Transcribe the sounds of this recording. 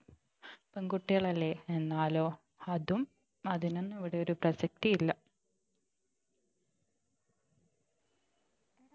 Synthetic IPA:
peŋɡuʈːiɣɐɭɐlːeenːaːlo̞ː | ɐðum | ɐðinonːɨeʋiɽe̞o̞ɾuprɐɕɐk̚t̪ijilːɐ

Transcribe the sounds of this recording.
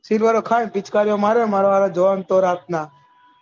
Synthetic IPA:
siːlʋaːɾoːkʰaːĩbit͡ʃkaːɾjõːmaːɾemaːɾaːɾaːd͡ʒəʋaːnt̪oːɾaːk̚naː

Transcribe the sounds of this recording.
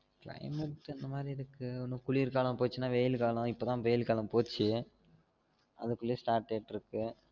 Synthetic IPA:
klɐ̰ɪmɐʈːɛnd̪ɐmaːd̪ɾiɪɾɯkːɯɔnːɯkʊɭiːɾkaːlɐ̃mpoːt͡ʃːɯnːaːʋejɪlkaːlɐ̃ɪpːoːt̪ãːʋeːjɪlkaːlɐ̃mpoːt͡ʃːɯ | ʔɐ̰ðɯkːʊɭːɐsʈaːɾʈːeːʈːɪɾɯkːɯ

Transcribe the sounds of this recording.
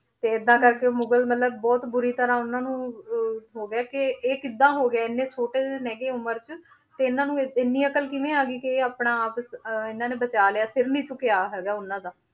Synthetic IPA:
t̪eːɪd̪ːãːkəɾkeːmʊɡəlmət̪ləbːɔːt̪bʊɾiːt̪əɾãːʊnãːnũː | ɦoːɡɪaːkɪeːkɪd̪ːãːɦoːɡɪaːɪnːeːt͡ʃʰoːʈeːdenɛɡeːʊməɾt͡ʃə | t̪eːɪnːãːnũːɪnːiːəkəlkɪʋẽːaːɡiːkɪeːaːpɳãːpsɪnãːnẽːbət͡ʃaːleaːsɪɾnĩːt͡ʃʊkɪaːɦɛːɡaːʊnːãːd̪aː

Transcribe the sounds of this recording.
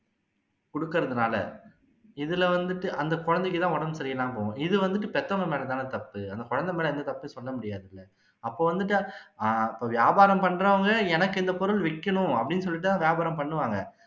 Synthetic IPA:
kɔɽɯkːɐɾɐðɯnaːlɐ̰ | ɪðɪlɛʋɐnd̪ɯʈːɯʔɐnd̪ɐkɔɻɐnd̪ɛk̬ːɯt̪ãːɔɽɐmsɐɾɪjɐlãːpoːʊ̃ɪðɯʋɐnd̪ɯʈːɯpɛt̪ːɐŋɡɐmeːlɐt̪aːnɐt̪ɐpːɯɐnd̪ɐkɔɻɐnd̪ɐmeːlɐɛnd̪ɐt̪ɐpːɯsɔlːɐmʊɽɪjaːðɪlːɐ | ɐpːoːʋɐnd̪ɯʈ̬ːɯaɪpːoːʋjaːbaːɾɐmpɐɳːɾɐʋɐŋɡɐɛnɐkːɪnd̪ɐpɔɾɯlʋɪkːɐɳʊ̃ɐpːɐɽɪnːɯs̬ɔlːɪʈːɯt̪ãːʋjaːbaːɾɐ̃mpɐɳːɯʋaːŋɡɐ

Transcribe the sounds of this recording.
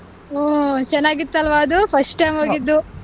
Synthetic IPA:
oːt͡ʃɛnːaːɡit̪ːɐlʋaɐd̪upʰɐsʈʈɐjmɦoːɡɡid̪ːu

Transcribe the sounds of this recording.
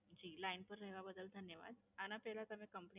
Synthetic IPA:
d͡ʑiːlainpəɾɾeɦʋabəd̪əld̪ʱənjəʋa̰d̪̚anapɛlat̪əmikəmpəni

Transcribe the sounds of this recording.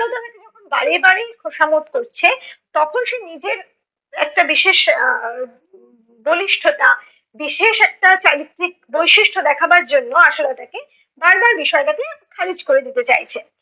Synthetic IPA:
ot̪anaked͡ʑɔkʰonba̰ɾebaɽekʰoʃamot̪koɾt͡ɕʰet̪ɔkʰonʃenid͡ʑeɾ | ɛ̰k̚ʈabiʃeʃ | boliʃʈʰoʈa | biʃeʃɛk̚ʈat͡ɕaɾit̪ːɾik̚bojʃiʃʈʰod̪ɛkʰabaɾd͡ʑonːoaʃolat̪ake | baɾbaɾbiʃɔekat̪ekʰaɾid͡ʑkoɾed̪it̪et͡ɕa̰jt͡ɕʰe

